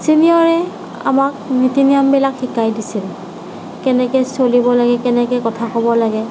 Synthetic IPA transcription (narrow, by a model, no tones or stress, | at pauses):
siniɔɹɛ | a̰mak̚nitiniambilakxikajdisil | kɛnɛkɛsolibɔlaɡɛkɛnɛkɛkɔtʰakɔbɔlaɡɛ